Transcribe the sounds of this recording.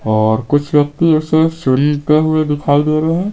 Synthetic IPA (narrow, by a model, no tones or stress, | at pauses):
ɔːɾkʊt͡ʃʰwjɐk̚t̪ioseɾʃəɾiɾt̪eɦuebɪpʰaːld̪eːɾəɦɛ̃